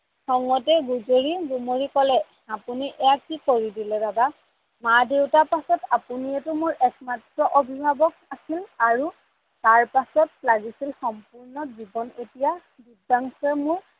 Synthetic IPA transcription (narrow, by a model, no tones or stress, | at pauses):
xɔŋɔtɛɡuzoɹizumoɹikɔlɛ | apuniʔɛjakːikoɹidilɛdaɡa | madewtapasɔtapuniɛtʊmʊɹʔɛkmatɹɔʔobʱibʱabɔk̚asilaɹu | taɹpasɔtlaɡisilxɔmpuɹnɔzibɔnetija | dudaŋsɛmʊɹ